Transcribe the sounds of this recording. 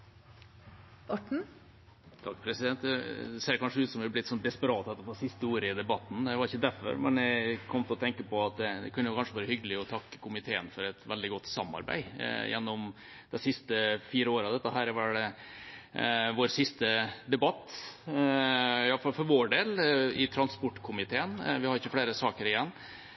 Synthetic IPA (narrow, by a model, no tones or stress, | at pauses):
ɔʈɳ̩ | t̪ʰɑkːpʰɾɛsɪd̪ɛnt̪d̪ɛseːɾkʰɑnʂəʉːt̪sɔmʋɪblɪɪt̪ːsɔnd̪ɛspəɾɑːt̪ɛt̪ːəfosɪst̪əoːɾəɪd̪ɛbɑt̪ːn̩d̪ɛʋɑɾɪçːəd̪æɾfɔ̰ɾmɛ̰næɪkʰɔmt̪ɪlɔt̪ʰɛŋkəpɔɑt̪̚d̪ɛd̪ɛ̰kʰʉnːəjʊkʰɑnʂəʋɑːɾəhʏɡəlɪɔt̪ʰɑkːə̥kʰʊmɪt̪ʰeːənfɔɾɛt̪ʋɛld̪ɪɡɔt̪ːsɑmːɑ̰ɾbæ̰ɪ̰jɛ̰nːɔm | d̪ɛsɪst̪əfiːɾəoːɾəɑʋd̪ɛt̪ːəɦæːɾʋɑɖɛ | ʋoːɾsɪst̪əd̪ɛbɑt̪ː | ɪɑləfɑlfɔɾʋoːɖeːlɪt̪ʰɾɑnspɔʈːkʰʊmɪt̪ʰeːənʋɪhɑɾɪçːəfleːɾəsɑːkəɾɪjɛnː